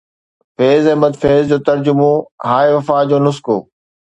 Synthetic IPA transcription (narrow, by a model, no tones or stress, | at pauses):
feːzɛ̃ːbɐd̪feːzd͡ʑoːt̪ɐɾd͡ʑʊmõɦaːeʋɐfaːd͡ʑoːnʊskoː